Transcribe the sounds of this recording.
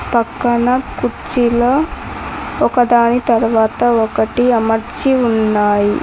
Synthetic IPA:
pɐkːɐnɐkut͡ʃilɐ | ɔkɐd̪aːnit̪ɐɾʋaːt̪ɐokɐʈiɐmɐɾt͡ʃiunːaːjḭ

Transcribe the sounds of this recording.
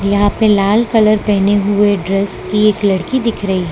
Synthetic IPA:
jɐɦãpelaːlkɐləɾpɛɦneɦʊeɖɾɛskieːklɐɽkid̪ɪkʰɾɐɦiɦɛ

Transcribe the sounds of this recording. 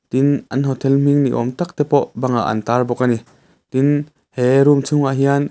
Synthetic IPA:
t̪inʔɐnɦɔt̪ʰɛlm̥iŋnḭʔɔ̰mt̪ak̚t̪ɛpɔʔbɐŋa̰ʔɐ̰nt̪aːrbɔkani | t̪in | hɛɾumt͡sʰʊŋaɦian

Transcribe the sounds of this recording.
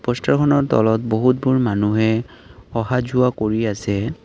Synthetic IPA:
pɔstakʰɔnɔɹtɔ̰lɔtboɦut̚buɹmanuɦɛɔɦazuakoɹiasɛ

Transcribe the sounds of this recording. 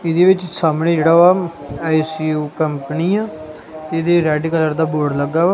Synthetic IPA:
ɪd̪eːʋɪt͡ʃsaːmɽ̃ẽːd͡ʒeːɽaːʋaː | aːisiːuːkəmpniːãː | t̪eːɪd̪eɾɛːɖiːkələɾd̪aːboːɾɖləɡaːʋaː

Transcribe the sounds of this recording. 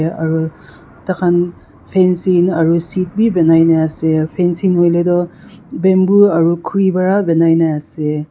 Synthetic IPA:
ɐ̰ɾu | takʰan | pʰensinɐɾusit̚bibenajnaasepʰensinojledɔbembuɐɾukʰuɾibaɾabenajnaase

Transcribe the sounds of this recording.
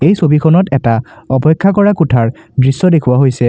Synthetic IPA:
ejsobikʰɔnɔtɛtaɔpɔkʰːakɔɹakutʰaɹdɹisːɔdekʰʊwaɦojsɛ

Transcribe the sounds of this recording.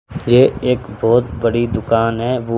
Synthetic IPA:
jeːeːkbɔːt̪bəɽid̪ʊkaːnɦɛːʋoː

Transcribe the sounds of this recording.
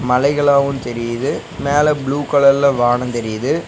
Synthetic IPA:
mɐlɐɪɣɐɭaːʋɯnt̪ɛɾɪjɪðɯ | meːlɛbɭuːkɐɭɐɾlɐʋaːɳɐnt̪ɛɾɪjɐðɯ

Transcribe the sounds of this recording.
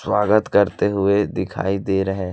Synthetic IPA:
swaːɡət̪kɐɾt̪eɦʊed̪ɪkʰa̰ːid̪eːɾɐɦe

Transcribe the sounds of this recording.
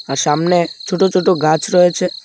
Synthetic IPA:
asamnet͡ʃʰoʈõt͡ʃʰoʈoɡʱãt͡ʃɾəɦet͡ʃʰe

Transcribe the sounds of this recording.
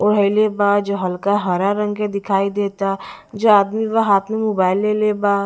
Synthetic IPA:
ʊɽ̤əɪlebaːd͡ʒoɦɐlkaɦəɾaɾə̃ŋɡked̪ɪkʰaːid̪eːt̪a | d͡ʒoaːd̪miʋaɦaːt̪ʰmemoːbaːɪlːeːlebaː

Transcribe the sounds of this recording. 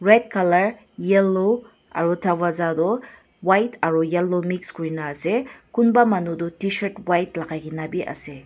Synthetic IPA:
ɾed̚kʰalɐɾ | jelːo | a̰ɾutʰawazadɔ | wajtʰaɾujelːomikskɾinaːsekunbamɐnudutisɐɾtwajtlakʰajɡinabiʔɐ̰se

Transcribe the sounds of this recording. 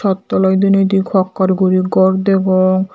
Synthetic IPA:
ɔt̪ːɔlɔjd̪unot̪̬ikʰɔkːaɾɡuɾiɡɔɾd̪eboŋ

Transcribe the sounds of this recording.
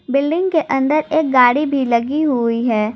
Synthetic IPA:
bɪlɖɪ̃ŋɡkeʔɐ̃nd̪əɾeːk̚ɡaːɽibʱilɐɡiɦuiɦɛː

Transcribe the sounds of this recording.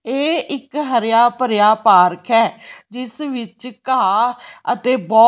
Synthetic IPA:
eːʔɪkɦəɾjaːpəɾjaːpaːɾkʰɛːd͡ʒɪsʋɪt͡ʃkaːət̪eːbɔː

